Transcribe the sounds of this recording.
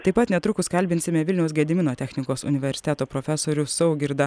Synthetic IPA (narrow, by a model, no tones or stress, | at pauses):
t̪ɐɪpɐt̪nʲɛt̪ɾʊkʊskɐlʲbʲɪnʲsʲɪmʲɛʋʲɪlʲnʲɛʊsɡʲɛd̪ʲɪmʲɪnoːt̪ʲɛxʲnʲɪkoːsʊ̰nʲɪʋʲɛɾʲsʲɪt̪ʲæːt̪oːpɾoːfʲæsoːɾʲʊsɐʊɡʲɪɾd̪ɐ